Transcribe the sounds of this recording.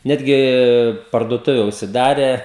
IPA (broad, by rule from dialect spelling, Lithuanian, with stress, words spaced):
ˈnʲæːdʲɡʲɪ pɐrduɔˈtʊʋʲɛ ʊʃʲsʲɪˈdɑːrʲɛ